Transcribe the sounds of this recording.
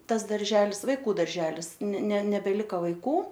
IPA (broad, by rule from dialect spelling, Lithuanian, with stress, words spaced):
ˈtɐs dɐrʲˈʒʲæːlʲɪs ʋɐɪˈkuː dɐrʲˈʒʲæːlʲɪs nʲɛ nʲɛ nʲɛbʲɛˈlʲɪkɐ ʋɐɪˈkuː